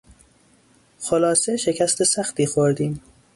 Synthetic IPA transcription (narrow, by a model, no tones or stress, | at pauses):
xolɒːseʃe̞cʰæst̪ʰe̞sæxt̪iːxoɾd̪iːm